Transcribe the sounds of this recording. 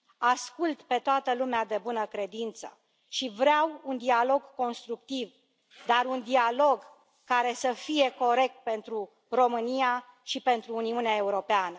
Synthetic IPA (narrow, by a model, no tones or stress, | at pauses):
askult̪pe̞t̪oat̪əlumead̪e̞bunəkɾe̞d̪int̪sə | ʃivɾeawund̪ialo̞ɡko̞nst̪ɾuk̚t̪iv | d̪aɾund̪ialo̞ɡ | kaɾe̞səfie̞ko̞ɾe̞k̚t̪̚pe̞nt̪ɾu | ro̞mɨnija | ʃipe̞nt̪ɾuːniuneae̞uɾo̞peanə